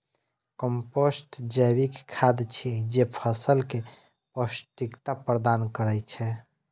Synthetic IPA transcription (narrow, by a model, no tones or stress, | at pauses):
kəmposʈd͡ʒəjβikkʰːad̪t͡ʃʰid͡ʒepʰəsəlke | pəsʈikt̪apɾəd̪ankəɾɛt͡ʃʰɛ